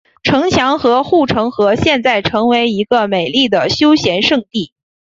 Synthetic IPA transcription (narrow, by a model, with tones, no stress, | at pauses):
ʈ͡ʂʰɤ˧˥ŋt͡ɕʰjɑ˧˥ŋxɤ˧˥xu˥˩ʈ͡ʂʰɤ˧˥ŋxɤ˧˥ɕjɛ˥˧nt͡sa˥˩ɪʈ͡ʂʰɤ˧˥ŋwe˧˥ɪi˧˥ɡə˧me˨˩ɪli˥˩d̪ə˩ɕjo˥ʊɕjɛ˧˥nʂɤ˥˧ŋt̪i˥˩